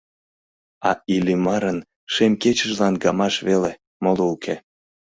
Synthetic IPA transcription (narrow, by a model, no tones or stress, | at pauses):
ɑilʲimɑɾən | ʃemket͡ɕəʒlɑnɡɑmɑʃβele | moloukʰe